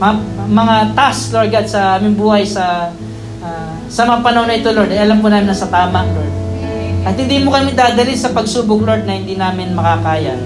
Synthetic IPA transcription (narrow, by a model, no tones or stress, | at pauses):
mɐamɐŋat̪asloɹd̪ɡat̪̚sɐaːmɪŋbuːhɐjsɐ | a | sɐmɐŋapɐnɐhonːɐʔɪt̪oloɹd̪ɐjʔɐlampunaːmɪnɐsɐt̪aːmɐŋloɹd̪̚ʔɐt̪̚hɪnd̪iːmokɐmɪd̪aːd̪ɐlɪnsɐpɐɡ̚suːbʊŋlo̞ɹd̪̚nɐhɪnd̪iːnaːmɪnmɐkakaːja